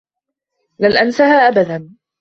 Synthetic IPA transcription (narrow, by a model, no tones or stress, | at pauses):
lalʔansahaːʔabad̪an